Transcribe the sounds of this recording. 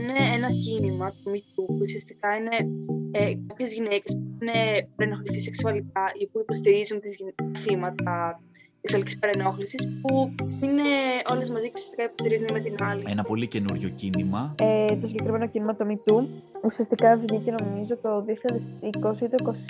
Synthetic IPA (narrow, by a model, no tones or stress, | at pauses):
ineenɐcinimɐt̪omit̪upuusiɐst̪i̥kɐine̞ekɐpçezʝine̞cespuinepɐɾeno̞xliθiseksuɐlikɐʔipuipost̪iɾizunt̪izʝinɐθimɐt̪ɐ | eksuɐlici̥spɐɾeno̞xlisispuineʔo̞le̞zmɐziceusiɐst̪i̥kɐipost̪iɾizunimet̪inɐlienɐpo̞lice̞nuɾʝo̞cinimɐet̪o̞siɲɟe̞kɾime̞no̞cinimɐt̪omit̪uusiɐst̪ikɐefiðiceno̞mizo̞t̪o̞ðioçiʎɐðesiko̞sit̪oiko̞s